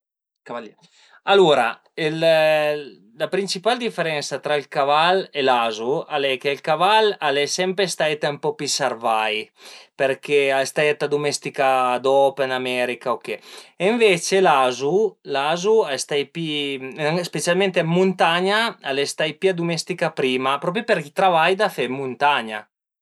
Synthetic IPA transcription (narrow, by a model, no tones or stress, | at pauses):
kaa | aluɾa | el | lapɾint͡ʃipald̪ifeɾɛnsat̪ɾailkavalelazualɛkeilkavalalɛsɛmpɾest̪ajt̪ampɔpisarvajpeɾkeast̪ajat̪ad̪umest̪ikad̪ɔpenamɛɾikaokeeɱvet͡ʃelazulazuast̪ajpi | spesialmẽnt̪eammːunt̪aɲaalest̪ajpiad̪umɛst̪ikapɾiːmapɾɔp̬ɾjopeɾit̪ɾavajd̪afɛmunt̪aɲa